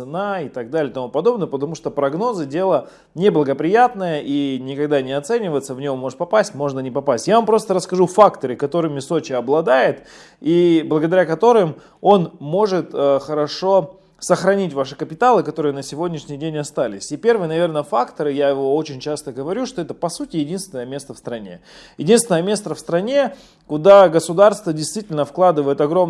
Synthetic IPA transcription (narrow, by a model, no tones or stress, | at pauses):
ɨnaɪt̪ɐɡ̚d̪alʲɪjt̪ɐmupɐd̪o̞bnəjəpət̪ɐmuʂt̪o̞pɾɐɡno̞zɨdʲe̞lˠə | nʲɪblˠəɡəpɾʲɪjat̪nəjəʔinʲɪkɐɡd̪anʲɪɐt̪sɛnʲɪvəɪt̪səvnʲomːo̞ʐɨt̪pɐpasʲtʲmo̞ʐnənʲɪpɐpasʲtʲjavampɾo̞st̪əɾəskɐʐufakt̪əɾɨkɐt̪o̞ɾɨmʲɪso̞t͡ɕɪɐblˠɐd̪ajɪt̪ | iblˠəɡəd̪ɐɾʲakɐt̪o̞ɾɨm | o̞nmo̞ʐɨt̪əxəɾɐʂo̞ | səxɾɐnʲitʲvaʂɨkəpʲɪt̪alˠɨkɐt̪o̞ɾɨjənəsʲɪvodʲnʲɪʂnʲɪjdʲenʲɐst̪alʲɪsʲɪpʲe̞rvɨjənɐvʲe̞rnəfakt̪əɾɨjaɪvo̞ot͡ɕɪnʲt͡ɕast̪əɡəvɐɾʲuʂt̪oɛt̪əpɐsutʲɪjɪdʲinst̪ʲɪnəjəmʲe̞st̪əfst̪ɾɐnʲe̞̰jɪdʲinst̪vʲɪnəjəmʲe̞st̪ɾəfst̪ɾɐnʲe̞ | kʊd̪aɡəsʊd̪arst̪vədʲɪjst̪vʲitʲɪlʲnəfklˠad̪ɨvəjɪt̪ɐɡɾo̞m